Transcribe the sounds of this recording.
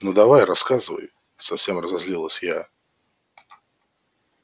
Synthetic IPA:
nud̪ɐvajrɐskazɨvə̰j | sɐfsʲe̞mrəzɐzʲlʲilˠəsʲja

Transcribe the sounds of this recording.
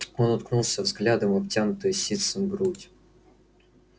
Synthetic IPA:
onɐt̪̚knulˠsʲəvzɡlʲad̪əmɐp̚tʲanʊt̪ɨjəsʲit̪sɨmbɾutʲ

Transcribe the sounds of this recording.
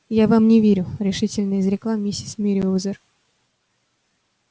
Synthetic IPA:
javamnʲɪvʲeɾʲʊɾʲɪʂɨtʲɪlʲnəjɪzɾʲɪklˠammʲɪsʲismʲɪɾʲɪuzər

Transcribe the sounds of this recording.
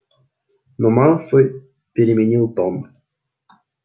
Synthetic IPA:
nɔmalˠfɨ | pʲɪɾʲɪmʲɪnʲilˠt̪ɔn

